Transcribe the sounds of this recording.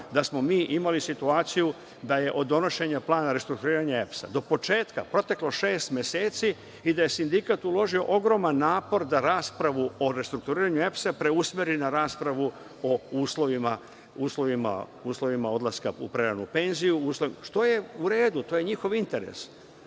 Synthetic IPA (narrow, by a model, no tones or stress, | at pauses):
d̪asmo̞miːʔimalisit̪uaːt̪siju | d̪aje̞ʔo̞d̪ːo̞no̞ʃe̞ɲaplˠaːnaɾe̞st̪ɾukt̪uɾiːɾaɲaepsa̰d̪o̞po̞t͡ʃe̞ːt̪kapɾo̞t̪e̞kloʃe̞ːst̪mʲje̞seːt̪si | id̪aje̞sind̪ikat̪ulo̞ʒio̞̰ʔo̞ɡɾo̞manːaːpo̞ɾd̪aɾaːspɾaʋuo̞ɾest̪ɾuk̚t̪uɾiːɾaɲue̞psapɾe̞usmeɾinaɾaːspɾaʋu | ouːslˠo̞ʋima | uːslˠo̞ʋima̰uːslˠo̞ʋimao̞d̪laskaṵpɾeɾanṵpe̞nzijuuːsloʋimaʃt̪o̞je̞uɾe̞ːd̪ut̪oje̞ɲixo̞ʋint̪e̞ɾe̞̰s